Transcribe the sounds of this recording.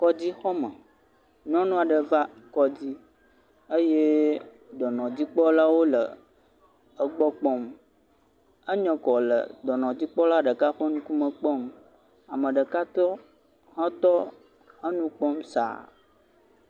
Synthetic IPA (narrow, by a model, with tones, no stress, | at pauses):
kɔ˦d͡ʑi˦xɔ˦mə̃˨ | ɲũ˦ã˦nũ˦a˨ɖə˨va˦kɔ˦d͡ʑi˦ | ə˦je˦ | d̪ɔ˨nɔ̃˨d͡ʑi˦k͡pɔ˦la˦wo˦lə˨ | ə˦ɡ͡bɔ˦k͡pɔ˦m | ə˦ɲɛ̃˨kɔ˨lə̰˨d̪ɔ˨nɔ̃˨d͡ʑi˦k͡pɔ˦la˦ɖə˨ka˦ɸə˦ŋũ˦ku˦mə̃˨k͡pɔ˦m | a˨mə̃˨ɖə˨ka˦t̪ɔ˦ | hã˦t̪ɔ˦ | ə˦nũ˦k͡pɔ˦msa̰˨